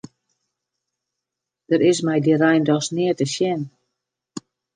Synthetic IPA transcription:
d̥əɾɪsmɛjdiɾɛjndɔsnɪətəʃjɛn

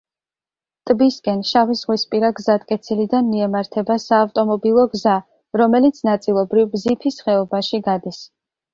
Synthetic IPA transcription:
t̪ʼbiskʼɛnʃavisʁwispʼiɾaɡzat̪ʼkʼɛt̪sʰilid̪anmiɛmaɾt̪ʰɛbasaːvt̪ʼɔmɔbilˠɔɡza | ɾɔmɛlit̪sʰnat̪sʼilˠɔbɾivbzipʰisχɛɔbaʃiɡad̪is

